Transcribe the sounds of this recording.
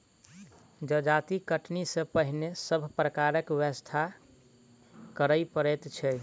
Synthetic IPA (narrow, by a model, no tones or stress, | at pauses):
d͡ʒəd͡ʒat̪ikəʈnisẽpəɦinesəbʱpɾəkaɾəkʋəst̪ʰa | kəɾəjpəɾɛt̪t͡ʃʰɛ